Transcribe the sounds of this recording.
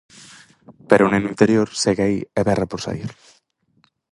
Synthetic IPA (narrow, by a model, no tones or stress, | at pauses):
peɾonẽnint̪eɾjoɾseɣeaiɛβɛrapoɾsa̰iɾ